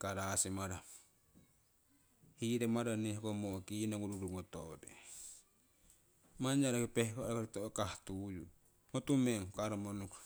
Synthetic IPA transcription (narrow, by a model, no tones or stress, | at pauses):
kaɾasimaɾa | hiɾemaɾanehkomokinaŋuɾuɾuŋotodḛ | maɲd͡ʒaɾakipehkoɾakoɾitokahtuju | ŋotumeŋkaɾamonuk